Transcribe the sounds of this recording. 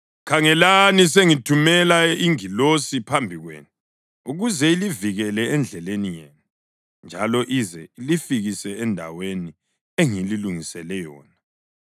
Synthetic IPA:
kʰaŋɛlaniseŋitʰumɛlaiŋilosipʰambʱiɣwḛːnu | uɣuzɛiliviɣɛlɛɛnd͡ɮʱɛlenijḛːnu | nd͡ʒʱalɔʔizɛilifiɣisɛɛndʱa̰weni | eŋililuŋisɛlɛjɔːna

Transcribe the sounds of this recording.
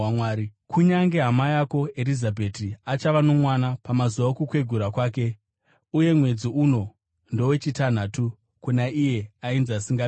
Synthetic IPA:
waːɾikuɲaŋɡe̞ɦamajako̞e̞lizabʱe̞tiat͡ʃaʋano̞mwanapamazuʋakukwe̞ɡʱuɾakwaːk̬e̞ | uje̞mwe̞d͡ziuno̞ | ndo̞we̞t͡ʃitan̤aːtu | kunaʔije̞ainzasiŋɡa

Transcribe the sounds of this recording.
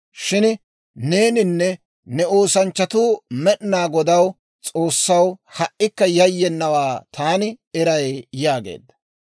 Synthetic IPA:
ʃɪn | ne̞ːnɪnːɛ | nɛoːsɐnt͡ʃːɐt̪uːmɛʔnaːɡɔd̪ɐw | t͡sʼo̞ːsːɐwhɐʔːɪkːɐjɐjːɛnːɐwaːt̪ʰaːnɪɛɾɐjjaːɡḛːd̪ːɐ̥

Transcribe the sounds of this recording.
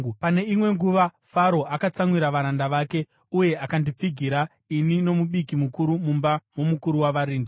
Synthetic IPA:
pane̞imwe̞ŋɡuʋa | faɾo̞akat͡samwiɾaʋaɾandaʋaːke̞ | uje̞akandip͡fiɡʱiɾa | inino̞muɓikimukuɾumumbamo̞mukuɾuwaʋaɾiːndi

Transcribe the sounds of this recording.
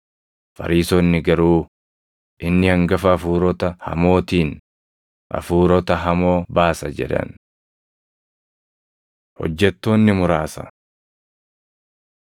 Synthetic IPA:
fɐ̰ɾiːsoːnːɪɡɐɾuː | ʔɪnːɪhɐŋɡɐfɐːfuːɾɔt̪ɐhɐ̰mo̞ːt̪iːn | ʔɐ̰fuːɾɔt̪ɐɦɐmo̞ːbaːsɐd͡ʒɛ̰ᶑɐ̰n | hɔ̰d͡ʒːɛt̪ːo̞ːnːɪmʊɾaːsɐ̰

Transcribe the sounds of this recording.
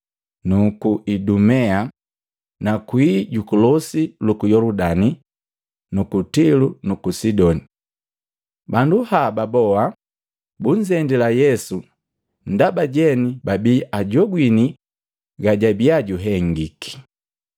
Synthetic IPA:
nukuʔidumɛa | nakwiːɟukulɔsilukujɔludani | nukutilunukusidɔni | banduhababɔa | buɲd͡ʒɛndilajɛsu | n̩dabaɟɛnibabiːʔaɟɔɡwini | ɡaɟabiaɟuɦɛŋɡiki̥

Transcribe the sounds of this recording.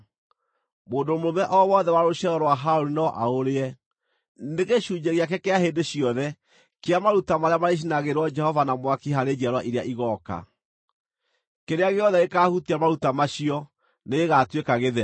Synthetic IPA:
moːndomoɾomɛʔɔwɔðɛwaɾoʃɛɔɾwaɦaoɾinɔʔaoɾeɛ | neɣeʃuːd͡ʒeɣeak̬ɛkeaɦendeɕjɔðɛ | keamaɾutamaɾeamaɾeʃ̬inaɣeɾwɔd͡ʒɛhɔvanamwakihaɾed͡ʒaɾwaʔiɾeaʔiɣɔka̰ | keɾeaɣeɔðɛɣekahuteamaɾutamaɕiɔ | neɣeɣatwekaɣeðɛ

